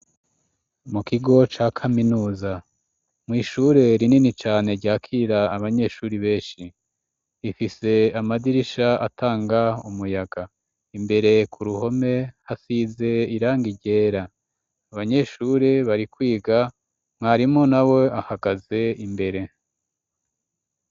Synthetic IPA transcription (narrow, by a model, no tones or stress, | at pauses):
mukiɡo̞t͡ʃaːkʰaminuːza | mŋiːʃuɾe̞ɾininit͡ʃaːne̞ɾɟaːkʰiːɾaːβaɲe̞ʃuːɾiβe̞ːnʃi | ifise̞amadiɾiʃaʔatʰaːŋɡaumujaɡa | imbe̞ɾe̞kʰuɾuho̞me̞hasize̞iɾaːŋɡiɟe̞ːɾa | aβaɲe̞ʃuːɾeβaɾikwiːɡa | mŋaɾimŋo̞nawe̞ahaɡaze̞imbe̞ɾe̞